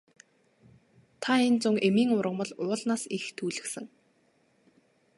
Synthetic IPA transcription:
t̪ʰaent͡sʊŋemiːŋʊɾə̆mə̆ɮʊːɮnaːsixt̪ʰuːɮɘ̆ksɘ̆ŋ

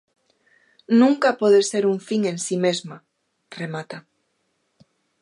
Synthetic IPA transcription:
nũŋkapoðeseɾuɱfiŋẽ̞nsimezma | remat̪a

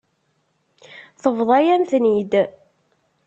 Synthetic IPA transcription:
θəvðˤɑjænθnid̪

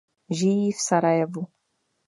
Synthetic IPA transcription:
ʒijifsaɾajɛvu

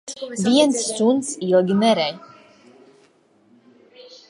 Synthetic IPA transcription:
vijɛnt͡s̪ːunsijɔɡinɛɾɛj

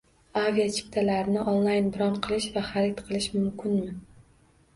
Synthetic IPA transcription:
aviat͡ʃʰɪ̥p̚ʲt̪ʰalaɾɪnɪʔonlˠajnbɪɾɒnqʰɨlˠɪʃvaχaɾɪt̪qʰɨlˠɪʃmʊmkʲʰɪnmɪ

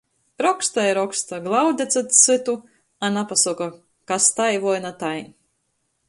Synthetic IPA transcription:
ɾɔkst̪ajɾɔkst̪aɡlˠawd̪ʲɛt̪sɨt̪sɨt̪u | anapasɔka | kast̪ajvɔjnat̪aj

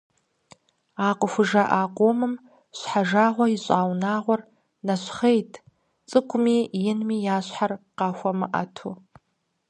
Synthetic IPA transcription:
aːqʷʊxʷʊʒɐʔaːqʷoːmɨm | ɕʷħaʒaːʁʷɔjiɕʼaːwnaːʁʷɔr | nɐɕχejtʰ | t͡sʼɨkʷʰʼʊmiːjɪnmiːjaːɕħarqɑːxʷɐmɨ̰ʔɐ̰tʰṵ

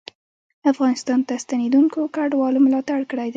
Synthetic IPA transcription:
afɣɑnɪst̪ɑnt̪ast̪aned̪uŋkokaɖwɑlomlɑt̪aɽkəɽajd̪a

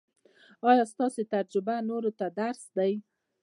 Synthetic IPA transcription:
ɑjɑst̪ɑset̪aɾd͡ʒʊbanoɾot̪ad̪aɾsd̪aj

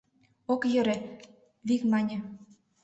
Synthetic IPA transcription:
okjɤ̆ɾĕ | βikmɑnʲĕ

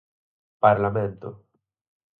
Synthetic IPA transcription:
paɾlamẽnt̪o̰

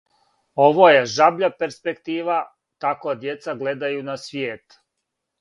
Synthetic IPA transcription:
oʋoje̞ʒabʎape̞ɾspe̞kt̪iːʋa | t̪akod̪jet̪saɡle̞d̪ajunasʋjeːt̪

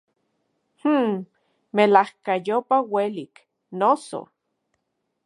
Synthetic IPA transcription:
h̩ | melahkajopawelik | noso̰

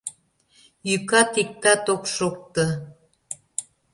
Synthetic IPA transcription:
jykat̪ik̚t̪at̪okʃok̚t̪ə

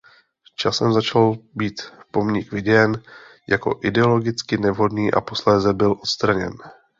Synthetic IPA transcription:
t͡ʃasɛmzat͡ʃalbiːt̪po̞mɲɪkvɪɟɛɛnjako̞̰ʔɪdɛo̞lo̞ɡɪt͡skɪnɛvɦo̞dniːʔa̰po̞slɛːzɛbɪlʔo̞t̪st̪ɾaɲɛ̰n

